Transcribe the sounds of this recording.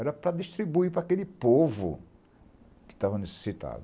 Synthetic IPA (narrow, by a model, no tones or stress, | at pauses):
ɛɾɐpɾɐd̪iʃt̪ɾibuipɾɐakelɪpovʊ̰ | kɪ̥t̪avɐnese̥sit̪a̰d̪ʊ